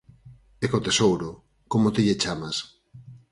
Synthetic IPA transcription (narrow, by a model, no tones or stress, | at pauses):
ekot̪esowɾo | komot̪iʎet͡ʃamas